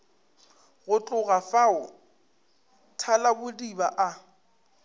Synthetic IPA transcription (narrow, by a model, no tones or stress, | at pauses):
ɣʊt͡ɬʼʊɣafaʊ | tʰalabʊdibaʔa